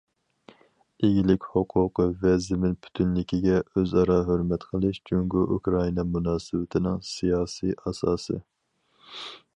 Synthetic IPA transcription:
eɡʲilɪkʲhoqʰʊqʰəvɛzɪmɪnpʰy̥t̪ʰynlɪkʲʰiɡʲɛøzɑɾɑɦøɾmɛt̪qʰəlˠɨʃd͡ʒʰyŋɡʲʊʔukɾɑinɑmunɑːsɨwɪt̪ʰɪnɪŋsijɑːsiʔɑsɑːsɨ̰

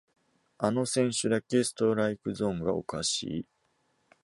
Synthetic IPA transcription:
ano̞sẽ̞ɰ̃ɕɨd̪ake̞sɨ̥t̪o̞ɾaikɯ̟zõ̞ːŋɡao̞̰kaɕḭː

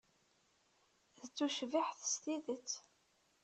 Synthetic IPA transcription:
ðət͡sːuʃviħθst̪iðət͡sː

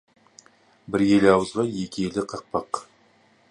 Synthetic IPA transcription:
bɪɾje̞lɑwəzʁɑje̞kʲɪje̞lɪqʰɑq̚pɑq

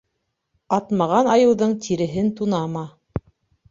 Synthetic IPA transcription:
ɑt̪mɑʁɑnɑjɤ̆wðɤɴt̪ʰiɾɘ̆ɦɘnt̪unɑmɑ

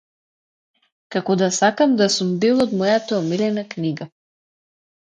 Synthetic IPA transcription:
kakɔd̪asakamd̪asumd̪ɛlˠɔd̪mɔjat̪aɔmilɛnakniɡa

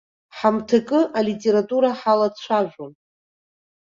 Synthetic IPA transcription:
ħamtʰakʼɨalitʲʼe̞ɾatʼuɾaħalat͡ɕʷʰaʒᶣʷon

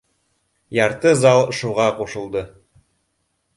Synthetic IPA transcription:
jɑɾt̪ɤzɑlˠʃuʁɑquʃŏlˠd̪ɤ

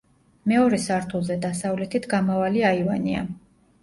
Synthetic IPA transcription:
mɛɔɾɛsaɾt̪ʰulˠzɛd̪asavlɛt̪ʰit̪ʰɡamavaliaivania̰

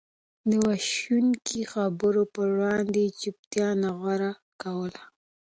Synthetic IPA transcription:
d̪əwaʃuŋkʰixabəɾopəwɽɑnd̪et͡ʃʊp̚t̪jɑnaɣwaɾa | kawəla

